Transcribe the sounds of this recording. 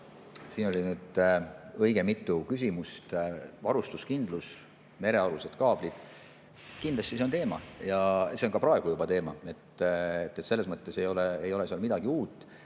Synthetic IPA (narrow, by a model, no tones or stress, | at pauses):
siːno̞lʲinyːd̪̥ | ɤ̞jɡe̞mit̪ːˑukys̬ʲimust̪vɑɾust̪uskind̪̥lus | me̞ɾe̞ɑɾuse̞d̪̥kɑːb̥lid̪̥ | kind̪lɑst̪ise̞ont̪e̞ːmɑ̰jɑse̞nkɑpɾɑe̞ɡ̥ujub̥ɑt̪e̞ːmɑe̞t̪et̪ːˑet̪se̞lːe̞smɤt̪ːˑe̞se̞jo̞leejo̞le̞siɑlmid̪̥ɑɡ̥iuːt̪ːˑ